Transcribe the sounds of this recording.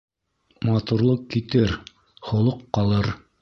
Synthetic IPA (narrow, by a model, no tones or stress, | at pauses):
mɑt̪uɾlˠɤqkit̪ɘɾ | χŏlˠoqːɑlˠɤɾ